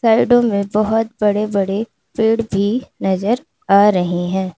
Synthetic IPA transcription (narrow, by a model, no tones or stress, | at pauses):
saːɪɖõmẽbɐɦʊt̪̚bɐɽebɐɽe | peːɽbʱinɐzəɾ | aːɾɐɦeɦɛ̃ː